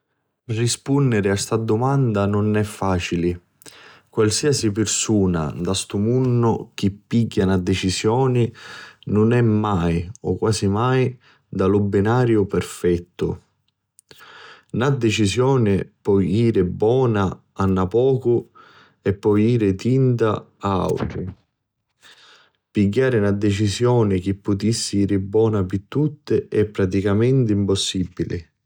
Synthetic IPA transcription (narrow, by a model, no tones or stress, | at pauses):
rispunːɪɾɪast̪ad̪ʊmand̪anʊnɛfːaːt͡ʃilɪ | kwalsiːasipɪrsuːna̰d̪ast̪umunːʊk̟ipːiɡːanad̪et͡ʃizjɔːnɪnʊnɛmːajɔ̰kːwaːsimaj | d̪alʊbːɪnaːɾjʊpɛrfɛt̪ːʊ̰ | nad̪ːet͡ʃisjɔːnɪpɔjiːɾɪbwɔːna | anːapɔːkʊ | ɛpːɔjiːɾɪt̪int̪aaa̰wt̪ɾi | piɡːaːɾɪnad̪ːet͡ʃisjɔːnɪk̟ɪpːʊt̪isːɪiːɾɪbːwɔːnapit̪ːut̪ːɪʔɛpːɾat̪ikamɛnt̪ɪimposːibːilɪ̰